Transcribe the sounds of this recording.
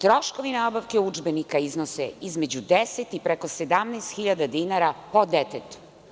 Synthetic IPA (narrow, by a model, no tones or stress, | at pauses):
t̪ɾoʃkoʋinabaʋkeud͡ʒbenikaiznoseizmed͡ʑud̪eset̪ipɾekosed̪amnɛːst̪xiʎad̪ad̪inaɾapod̪et̪et̪u̥